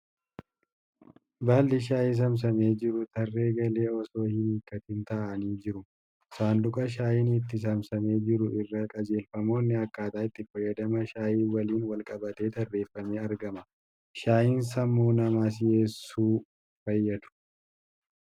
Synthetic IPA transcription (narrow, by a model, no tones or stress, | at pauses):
baːlːɪʃ̬aːjis̬ɐms̬ɐme̞ːd͡ʒɪɾʊt̪ɐrːe̞ːɡɐle̞ːɔso̞ːhɪniːkːɐt̪ɪnt̪ɐʔɐniːd͡ʒɪɾʊ | saːnd̪ʊkʼɐʃ̬aːjɪnɪt̪ːɪs̬ɐmsɐme̞ːd͡ʒɪɾʊʔɪrːɐkʼɐd͡ʒe̞ːlfɐmo̞ːnːɪɐkːaːt̪aːɪt̪ːɪfɐjːɐd̪ɐmɐʃaːjiːwɐliːnwɐlkʼɐbɐt̪e̞ːt̪ɐrːe̞ːfːɐmeːɐɾɡɐmɐ | ʃaːjɪns̬ɐmːoːnɐmaːs̬ɪjeːsːuː | fɐjːɐd̪ʊ̥